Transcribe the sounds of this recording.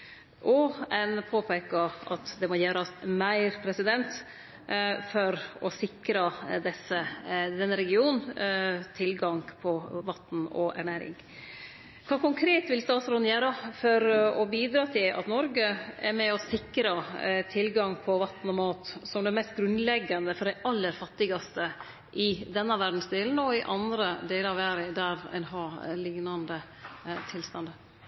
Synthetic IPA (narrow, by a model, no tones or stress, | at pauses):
ʔɔɛnpʰoːpʰæɪkɑɑt̪d̪ɛmɔjæːɾɑmæɪɾpʰɾɛsɪd̪ɛnt̪ | fɔɾɔsɪkɾɑd̪ɛsəd̪ɛnːəɾɛɡɪuːnn̩t̪ʰɪlɡɑŋpʰɔʋɑt̪ːn̩ɔ̰ʔæ̰ɳæːɾɪ̰ŋ | kʰʋɑːkʊŋkʰɾeːt̪ʋɪlst̪ɑːt̪sɾɔnjæːɾɑfɔɾɔbiːd̪ɾɑːt̪ʰɪlɑ̰t̪nɔɾɡəɛɾmɛɔsɪkɾɑt̪ʰɪlɡɑŋpʰɔʋɑt̪n̩ɔmoːt̪sɔmd̪ɛmɛst̪̚ɡɾʉnlɛɡːɑnd̪əfɔɖæɪʔɑlːəɾfɑt̪ːɪɡɑst̪ə | ʔɪd̪ɛnːəʋæɖn̩sd̪eːln̩ɔɪʔɑnd̪ɾəd̪eːləɾɑʋæːɾəd̪æɾɛ̰nɦɑːlɪŋnɑnd̪ə | t̪ʰɪlst̪ɑnd̪ə